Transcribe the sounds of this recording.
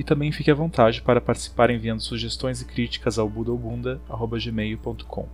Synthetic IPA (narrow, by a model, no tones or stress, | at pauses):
ɪt̪ɐ̃mbẽj̃fikʲɪɐvõnt̪aʒɪ̃paɾɐpaɾt͡ʃi̥si̥paɾẽviɐ̃nd̪ʊsuʒest̪õj̃zɪkɾit͡ʃi̥kɐzawbud̪owbũnd̪ɐaɦobɐʒemejʊpõnt̪ʊ̥kʰõ̰w̃